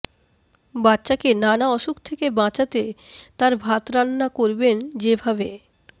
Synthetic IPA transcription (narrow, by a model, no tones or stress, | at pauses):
batːɕakenanaɔʃukt̪ʰekebãt͡ɕat̪et̪aɾbʱat̪ɾanːakoɾbend͡ʑebʱabe